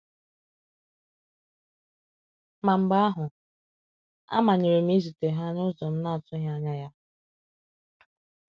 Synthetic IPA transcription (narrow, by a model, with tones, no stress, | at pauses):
ma˨m̩˨ba˦a˦ɦʊ˨ | a̰˦ma˨ɲe˨ɾe˨m̩˦i˦zi˨te˨ɦa˦nʊ˦zɔ˨m̩˦na˦˨tʊ˦ɦa˦ɲa˦ja˦